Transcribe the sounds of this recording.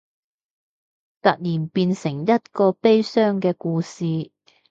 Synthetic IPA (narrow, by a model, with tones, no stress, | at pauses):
t̪ɐ˨k̚liː˨˩npiː˧nsɪ˨˩ŋjɐ˥t̚kɔː˧pe˥jsœː˥ŋkɛː˧kuː˧siː˨˧